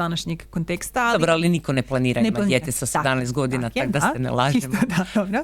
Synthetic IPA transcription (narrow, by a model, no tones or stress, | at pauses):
anaʃɲeɡːont̪ekst̪aaldoɾoalinikoneplˠaniːɾanmadjeːt̪esased̪amnɛjst̪ɡo̞d̪inat̪akd̪assenḛlˠaːʒimd̪ad̪obɾo